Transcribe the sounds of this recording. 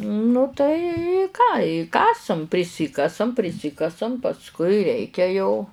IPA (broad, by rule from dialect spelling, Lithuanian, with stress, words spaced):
nʊ tɐɪ ɪ kɑː ɪ ˈkɑːsɐm pʲrʲɪˈsʲɪkɐsɐm pʲrʲɪˈsʲɪkɐsɐm pɐsˈkʊɪ ˈrʲɛɪkʲɛ jɛʊ